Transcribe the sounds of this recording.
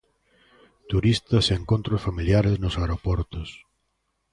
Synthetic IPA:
t̪uɾist̪ɐseeŋkõnt̪ɾʊsfamiljaɾeznʊsaeɾopɔɾt̪ʊs

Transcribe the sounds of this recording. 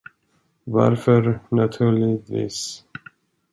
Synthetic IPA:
va̰ɾfœɾnat̪ʰʉːɭɪvḭːs

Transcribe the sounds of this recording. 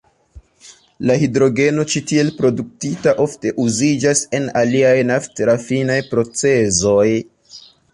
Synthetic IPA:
lahidɾo̞ɡe̞no̞t͡ʃitie̞lpɾo̞duk̚titaʔo̞fte̞ʔuzid͡ʒase̞naliajnaftɾafinajpɾo̞t͡se̞zo̞j

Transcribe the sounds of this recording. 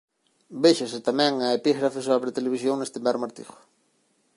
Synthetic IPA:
beʃaset̪amɛ̃ŋaepiɣɾafesaβɾet̪eleβisjoŋnest̪embɛɾmaɾt̪ḭxʊ̥

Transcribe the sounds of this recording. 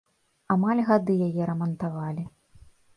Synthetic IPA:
amalʲɣad̪ɨjajɛɾɐmɐnt̪avalʲi

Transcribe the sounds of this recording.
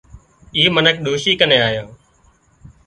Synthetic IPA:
iːmənəkʰɗ̪oːʃiːkənẽːaːjãː

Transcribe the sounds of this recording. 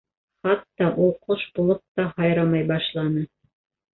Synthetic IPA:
χɑt̪ːɑʔulˠqʰoʃbulˠop̚t̪ɑhɑjɾɑmɑjbɑʃlˠɑnɤ

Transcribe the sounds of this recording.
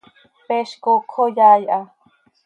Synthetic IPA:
peʃkokʰojajʔa

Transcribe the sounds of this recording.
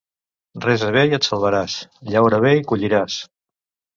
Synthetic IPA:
rɛzəβ̞ejət̪səlˠβəɾasʎawɾəβ̞eikuʎiɾas

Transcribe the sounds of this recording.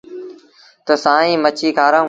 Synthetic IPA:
t̪əsãːĩːmət͡ʃʰiːkʰaːɾãː

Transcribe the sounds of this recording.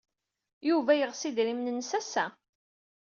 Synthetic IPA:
juvæjəʁsid̪ɾimnənːsæsæ

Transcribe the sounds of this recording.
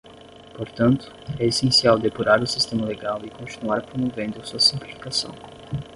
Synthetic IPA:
poɾt̪ɐ̃nt̪ʊ̥ɛesẽsiawd̪epuɾaɾʊsist̪ẽmɐleɡawɪkõnt͡ʃ̪inuaɾpɾomovẽnd̪ʊsuɐsĩmplifi̥kasɐ̰̃w̃

